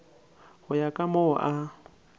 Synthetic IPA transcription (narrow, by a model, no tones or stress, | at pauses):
hʊjakʼamoʔa